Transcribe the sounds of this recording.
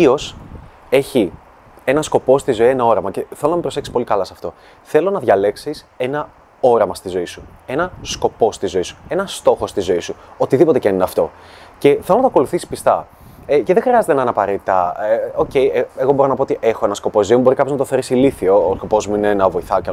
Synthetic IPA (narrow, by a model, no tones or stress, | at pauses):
io̞s | e̞çi | e̞nɐsko̞po̞st̪izo̞ie̞nɐo̞ɾɐmɐce̞θelo̞nɐmepɾose̞ksi̥spo̞likɐlɐsɐft̪o̞ | θe̞lo̞nɐðʝɐle̞ksise̞nɐ | o̞ɾɐmɐst̪izo̞isue̞nɐsko̞po̞st̪izo̞isu̥e̞nɐst̪o̞xo̞st̪izo̞isuo̞t̪iðipot̪ecenineɐft̪o̞ | ce̞θe̞lonɐt̪oɐko̞luθisi̥spist̪ɐ | eceðexɾiɐze̞t̪enɐnɐpɐɾet̪it̪ɐ̰eo̞ce̞jeeɣo̞bo̞ɾonɐpoot̪iʔe̞xo̞e̞nɐsko̞po̞zzimubo̞ɾikɐpçoznɐt̪oθeɾisiliθioːsko̞po̞zmuinenɐvo̞iθɐoceɐ